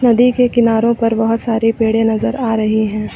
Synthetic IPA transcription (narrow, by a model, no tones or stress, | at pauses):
nɐd̪ikekɪnaːɾõpɐɾbɐɦʊt̪saːɾipeːɽenɐzəɾaːɾɐɦiɦɛ̃ː